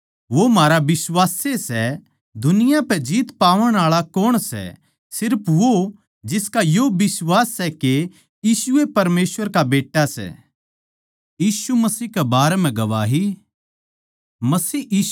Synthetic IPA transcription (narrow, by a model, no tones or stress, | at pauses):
ʋomaːɾaʋɪsʋaːsesɛ | d̪ʊnɪjapɛd͡ʒiːt̪paːʋəɽ̃aːɭakoːɽ̃sɛ̰ | sɪɾpʰʋo | d͡ʒɪskajoːbɪswaːsːɛke | jiːsʊepɐɾmeːsʋəɾkabeːʈːasɛ̰ː | jiːsumɐsiːkebaːɾɛm̤ɛ̃ɡɐʋaːɦi | mɐsiːiː